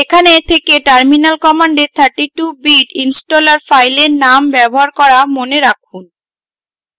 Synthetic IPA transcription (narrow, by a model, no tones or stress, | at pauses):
ekʰanet̪ʰekeʈaɾminalkɔmaɳɖet̪ʰaɾʈiʈubiɖinsʈolaɾfajleɾnambɛboɦaɾkɔɾamoneɾakʰun